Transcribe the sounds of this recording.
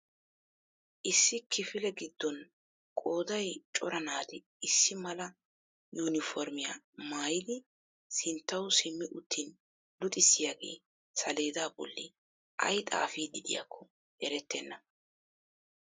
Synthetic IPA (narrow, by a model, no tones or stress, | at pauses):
ʔɪsːɪkʰɪfɪlɛɡɪd̪ːɔn | kʼo̞ːd̪ɐjt͡ʃʼɔɾɐnaːd̪ɪ | ɪsːɪmɐlɐ | juːnɪfɔɾmɪja | maːjɪd̪ɪ | sɪnt̪ːɐwsɪmːɪʔʊt̪ʰːin | lʊt̪ʼɪsːɪjaːɡe̞ː | sɐle̞ːd̪aːbɔ̰lːɪ̰ | ʔɐ̰jt̪ʼa̰ːfiːd̪ɪd̪ɪja̰kʰːɔ | ʔɛɾɛt̪ːɛnːɐ